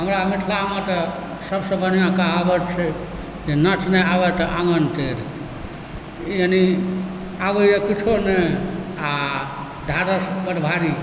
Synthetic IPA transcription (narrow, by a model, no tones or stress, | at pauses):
ɦəmɾamit̪ʰlamẽt̪ə | səbsə̃bənijãkaɦabət͡ʃʰɛ | d͡ʒenət͡ʃnɛaʋɛt̪əʔãŋɡənt̪eɾ | jeni | aʋəjəkit͡ʃʰonea | d̪ʱaɾəspəɾbʱaɾi